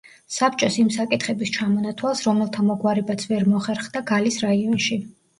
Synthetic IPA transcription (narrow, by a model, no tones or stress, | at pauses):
sapt͡ʃʼɔsimsakʼit̪ʰχɛbist͡ʃʰamɔnat̪ʰwalˠsɾɔmɛlˠt̪ʰamɔɡwaɾɛbat̪sʰvɛɾmɔaχɛɾχd̪aɡalisɾaiɔnʃi